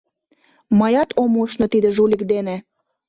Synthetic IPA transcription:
mɑjɑt̪ʰomuʃnɤ̆t̪id̪ĕʒulʲikd̪ene

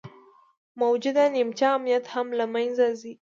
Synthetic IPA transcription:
mawd͡ʒʊd̪animt͡ʃɑːmnijat̪hamlamanzazi

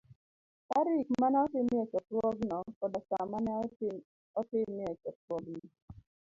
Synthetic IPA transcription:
taɾikmanɛɔtɪmɛt͡ʃɔtwɔɡnɔkɔdɔsamanɛɔt | ɔtɪmiɛt͡ʃɔt̚wɔɡnɔ

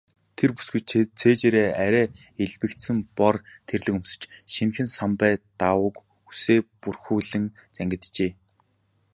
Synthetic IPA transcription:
t̪ʰerpu̥sɡujt͡ɕt͡sʰeːt͡ɕeːɾeːæɾʲæː | eɮpɘ̆kt̪sɘ̆mpɔrt̪ʰerɮɘ̆kumsɘ̆t͡ɕʃinxɘ̆nsampæːt̪awʊk | useːpurxuːɮɘ̆ŋt͡sæŋɡʲɪ̆t̪t͡ɕeː

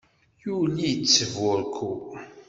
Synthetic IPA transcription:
julijt͡sːəvʊɾkʰu

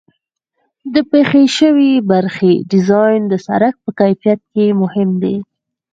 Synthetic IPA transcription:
d̪əpexeʃəwibaɾxeɖɪzɑjnd̪əsa̰ɾak̚pəkajfijat̪̚kemʊhɪmd̪e

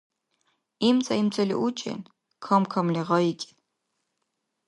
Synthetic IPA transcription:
imt͡sʼaimt͡sʼɛlḭʔut͡ʃʼɛ̰n | kʰamkʰamlɛʁɑikʲʼi̥

